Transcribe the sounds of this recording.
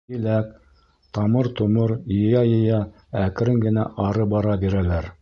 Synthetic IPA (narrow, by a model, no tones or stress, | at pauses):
ɘ̆læk | t̪ɑmɤɾt̪ŏmɤɾjɤ̆jɑjɤ̆jɑ | ækɾɘŋɡɘ̆næʔɑɾɤbɑɾɑbiɾælæɾ